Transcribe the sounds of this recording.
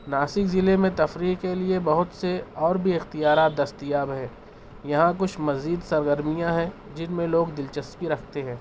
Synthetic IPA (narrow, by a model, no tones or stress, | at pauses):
naːsɪkzɪlemẽt̪ɐfɾiːɦkeliebɐɦʊt̪seɔːɾbʱiɪxt̪ijaːɾaːt̪̚d̪ɐst̪ijaːbɦɛː | jɐɦãk̬ʊt͡ʃʰmɐziːd̪sɐɾɡəɾmijãɦɛ̃ | d͡ʒɪnmẽloːɡd̪ɪlt͡ʃɐskiɾɐkʰt̪eɦɛ̃ː